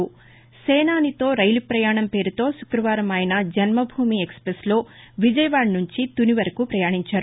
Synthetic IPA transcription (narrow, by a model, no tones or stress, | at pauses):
sɛːnaːnit̪o̞ːɾɐjlipɾɐjaːɳɐmpe̞ːɾut̪o̞ːʃu̥kɾɐʋaːɾɐmɐjnɐd͡ʒɐnmɐbʱuːmiːeksɐ̥pɾeslo̞ː | ʋid͡ʒɐjɐʋaːɽnuɲt͡ʃit̪uniʋɐɾɐkupɾɐjaːɳiɲt͡ʃaːɾu